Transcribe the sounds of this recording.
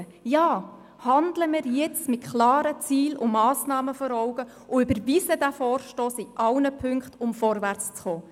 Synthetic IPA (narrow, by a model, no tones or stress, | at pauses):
jɑː | hɑndləmɪːɾjɛt͡smɪtkʰlɑːɾət͡siːlʊ̰mɑːsnɑːməfɔɾɔʊɡə | ʊʏbəɾvisədæfɔːrʃtoːsɪʔɑwnəpʰʏŋkχtʊmfɔɾvært͡st͡sχoː